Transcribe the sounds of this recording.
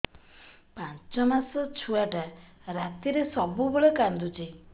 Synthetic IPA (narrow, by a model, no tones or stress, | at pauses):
pant͡ʃɔmasɔt͡ʃʰuaʈaɾat̪iɾesɔbuboɭekand̪ut͡ʃi